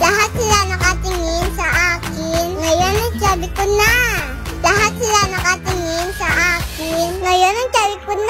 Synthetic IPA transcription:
laɦat̪̚sɪlanɐkat̪ɪŋɪnsɐʔaːk | ɪnŋɐjonɐŋt͡ʃabɪkʊnːa | laɦat̪̚sɪlanɐkat̪ɪŋɪnsɐʔaːkɪnŋɐjonɐŋt͡ʃabɪkʊnːa

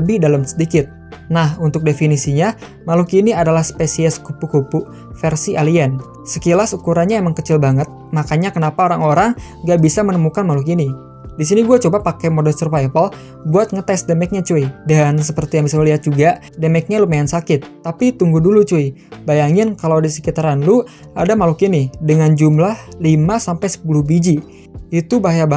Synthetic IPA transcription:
abidalamsə̥dikɪt̪̚ | nahunt̪ʊk̚definisiɲa | malʊkiniadalahspesiɛskupukupu | fɛrsiʔaliɛn | səkilasukuɾanɲaemaŋkət͡ʃɪlbaŋət̪̚makaɲakənapaoɾaŋoɾaŋ | ɡaʔbisamənəmukanmaluk̬ini | dis̬iniɡuat͡ʃobapakɛjmodɛlsərpajpal | buat̪̚ŋət̪ɛsdɛmɛk̚ɲat͡ʃuidansəpərt̪ijaŋbisaməliɦat̪̚d͡ʒuɡa | dɛmɛk̚ɲalumajansakɪt̪ːapit̪uŋɡudulut͡ʃuibajaŋɪnkalawdisə̥kit̪aɾanlu | adamalukinidəŋand͡ʒumlahlimasampajsə̥puluhbid͡ʒi | it̪ubaɦajaba

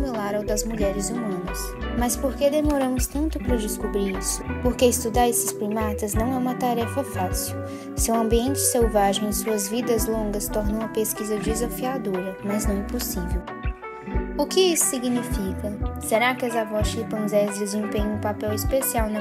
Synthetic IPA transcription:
milaɾawd̪ɐzmuʎɛɾɪzumɐ̃nɐs | mɐspoɾked̪emoɾɐ̃mʊst̪ɐ̃nt̪ʊpɾɐd͡ʒɪskubɾiɾisʊ̥poɾkeist̪ud̪aɾesɪ̥splimat̪ɐznɐ̃w̃ɛũmɐt̪aɾɛfɐfasiw | sɪʊɐ̃mbiẽnt͡ʃɪ̥sewvaʒẽj̃ẽsuɐzvid̪ɐzlõɡɐst̪ɔɾnɐ̃mɐpeskizɐd͡ʒizafiad̪oɾɐmɐznɐ̃w̃ɛposivew | ʊkɪisʊ̥siɡnifikɐseɾakɪɐzavɔsʃipɐ̃zɛzd͡ʒezẽmpẽɲɐ̃ũpapɛwispesiawnɐ

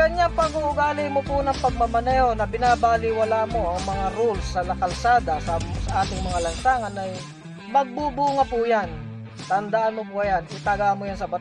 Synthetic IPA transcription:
kɐɲapɐɡuʔʊɡaːlɪmopʊnɐŋpɐɡ̚mɐɡmɐnɛːho̞nɐbɪnaːbaːlɪwɐlaːmoʔɐŋmɐŋaɾulsːɐlɐkɐlsaːd̪asɐsɐʔaːt̪ɪŋmɐŋalɐnsaːŋɐnɐj | mɐɡ̚bubuːŋɐpʊjan | t̪ɐnd̪aʔanmopʊʔɐjanʔɪt̪aɡamojansɐbɐt̪

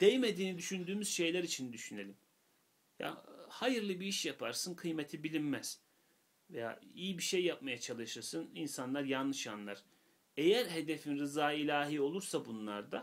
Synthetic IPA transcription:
d̪̥ejme̞d̪iːnid̪yʃynd̪yːmyz̥ʃe̞jlʲæɾit͡ʃʰind̪yʃyne̞lʲim | ja̰hajɯɾlˠɯbiiʃjapʰa̰ɾsɯnkʰɯjmet̪ʰibilʲimmæz̥ | veja̰ːijibiʃe̞jːap̚majat͡ʃʰalˠɯʃɯɾsɯninsanlˠaɾjanlːˠɯʃanlˠaɾ̥ | e̞jæɾɦe̞d̪e̞finɾɯzaːilʲaːɦiːo̞lˠuɾsabunlˠaɾd̪a

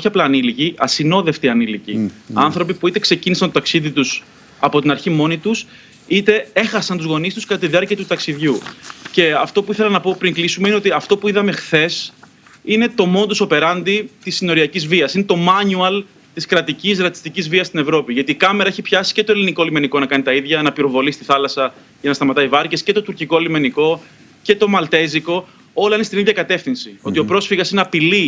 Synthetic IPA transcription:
çiɐplaːniliciʔɐsino̞ðe̞ft̪iɐnilicḭɐnθɾo̞pipuit̪e̞ksecinisɐnt̪ot̪ɐksiðit̪us | ɐpo̞t̪inɐɾçimo̞nit̪us | it̪e̞e̞xɐsɐnt̪uzɣo̞nist̪uskɐt̪ɐt̪iðiɐɾciɐt̪ut̪ɐksiðʝuce̞ɐft̪o̞puiθelɐnɐpo̞pɾiŋklisumeine̞o̞t̪iɐft̪o̞puiðɐme̞xθe̞s | ine̞t̪o̞mo̞not̪usope̞ɾɐnd̪it̪isːino̞ɾiɐcizviɐsine̞t̪o̞mɐnuɐl | t̪iskɾɐt̪icisɾɐt̪i̥st̪icizviɐst̪ine̞vɾo̞piʝɐt̪iːkɐme̞ɾɐeçipçɐsi̥ce̞t̪oeliniko̞lime̞niko̞nɐkɐnit̪ɐiðʝɐnɐpiɾo̞vo̞list̪iθɐlɐsɐ | ʝɐnɐst̪ɐmɐt̪ɐivɐɾce̞sce̞t̪o̞t̪uɾciko̞lime̞niko̞ | ce̞t̪o̞mɐlt̪e̞ziko̞ | o̞lɐinest̪iniðʝɐkɐt̪e̞fθinsio̞t̪io̞pɾo̞sfiɣɐsineɐpili

